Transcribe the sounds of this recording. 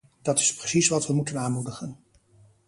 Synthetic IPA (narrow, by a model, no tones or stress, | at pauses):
d̥ɑtɪsprəsisʋɑtʋəmutənaːnmudəχən